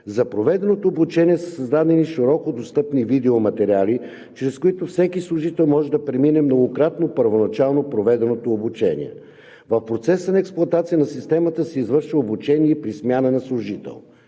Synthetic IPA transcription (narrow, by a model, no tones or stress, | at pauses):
zɐpɾovɛd̪ɛnot̪oobut͡ʃɛniɛsəsɐzd̪ad̪ɛniʃiɾɔkod̪ost̪ɤpnivid̪ɛomɐt̪ɛɾʲiali | t͡ʃɾɛskʊit̪ofsɛkislˠʊʒit̪ɛlˠmɔʒɛd̪ɐpɾɛminɛmnoɡokɾat̪nopəɾvonɐt͡ʃalˠnopɾovɛd̪ɛnot̪oːbut͡ʃɛnḭɛ̰ | vəfpɾot̪sɛsənɐɛksplˠʊɐt̪at̪sijənɐsist̪ɛmət̪əsɛizvɤɾʃvəobut͡ʃɛniɛpɾismʲjanənɐslˠʊʒit̪ɛ̰lˠ